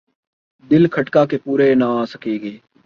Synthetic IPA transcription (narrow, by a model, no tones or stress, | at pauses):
d̪ɪlkʰəʈkaːkepuːɾeːnãːaːsəkiːɡeː